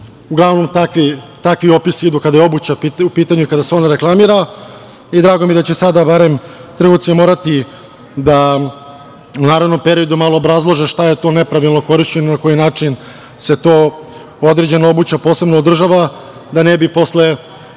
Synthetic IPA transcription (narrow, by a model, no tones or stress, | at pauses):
uɡlˠaʋno̞mt̪akʋit̪akʋio̞pisiid̪ukad̪ajeo̞but͡ɕapiupiːt̪aɲuikad̪aseo̞naɾe̞klˠamiɾa | id̪ɾaːɡomijed̪at͡ɕe̞sad̪abaɾe̞mt̪r̩ɡot̪simo̞ːɾat̪i | d̪a | unaːɾaʋno̞mpeɾio̞d̪umalˠoːbɾazlˠoʒeʃt̪aje̞t̪o̞ne̞pɾaʋilˠnoko̞ɾiʃt͡ɕenonako̞jinaːt͡ʂin | se̞t̪o̞ | od̪ɾe̞d͡ʑe̞noobut͡ɕapoːse̞bnoːd̪r̩ʒaʋa | d̪anebipo̞sle